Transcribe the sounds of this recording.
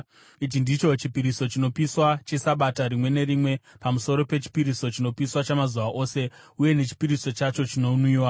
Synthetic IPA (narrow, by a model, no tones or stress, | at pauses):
it͡ʃindit͡ʃo̞t͡ʃipiɾiso̞t͡ʃino̞piswat͡ʃesaɓataɾimwe̞ne̞ɾimwe̞ | pamuso̞ɾo̞pe̞t͡ʃi̥piɾiso̞t͡ʃino̞piswat͡ʃamazuʋaʔo̞ːse̞ | uje̞ne̞t͡ʃi̥piɾiso̞t͡ʃat͡ʃo̞t͡ʃino̞uniːwa